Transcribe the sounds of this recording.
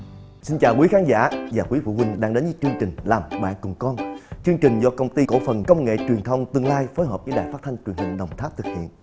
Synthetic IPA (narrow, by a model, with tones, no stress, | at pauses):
si˧nt͡ɕaː˨˩wkwi˨˦xaː˨˦nza̰ː˧˥˨vaː˨˩kwi˨˦vṵ˧˨kwi˧ŋ̟ɗaː˧ŋɗe˨˦nzɨ˨˦t͡ɕɨ˧əŋt͡ɕï˨˩ŋ̟laː˨˩mɓa̰ː˧˨nkʊ˨˩ŋ͡mkɔ˧nt͡ɕɨ˧əŋt͡ɕï˨˩ŋ̟zɔ˧kə˧wŋ͡mt̪i˧ko̰˧˥fə˨˩nkə˧wŋ͡mŋḛ˧˨t͡ɕwi˨˩ənt̪ʰə˧wŋ͡mt̪ɨ˧əŋlaː˧jfoː˨˦jɦəː˨˩p̚zɨ̰˧˥˦ɗaː˨˩jfa˦˥t̚t̪ʰjŋ̟t͡ɕwi˨˩ənhï˨˩ŋ̟ɗə˨˩wŋ͡mt̪ʰa˦˥p̚t̪ʰɨ˨˩k̚hḭ˧˨ənʔ